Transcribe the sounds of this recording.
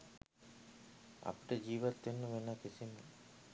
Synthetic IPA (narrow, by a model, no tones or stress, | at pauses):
a̰pi̥ʈəd͡ʒiːʋat̪ːenːuʋenaːkesimə